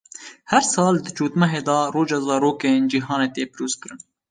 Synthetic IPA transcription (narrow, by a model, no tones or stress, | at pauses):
hɛɾsɑːld̪ɨt͡ʃuːt̪mɛɦeːd̪ɑroːd͡ʒɑːzɑːɾoːkend͡ʒiːɦɑːneːt̪eːpɨɾoːzkɨɾɨn